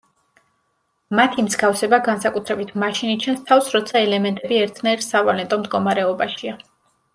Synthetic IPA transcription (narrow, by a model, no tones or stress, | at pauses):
mat̪ʰimzɡafsɛbaɡansakʼut̪ʰɾɛbit̪ʰmaʃinit͡ʃʰɛnst̪ʰafsɾɔt̪sʰaɛlɛmɛnt̪ʼɛbiɛɾt̪ʰnaɛɾsavalɛnt̪ʼɔmd̪ɡɔmaɾɛɔbaʃia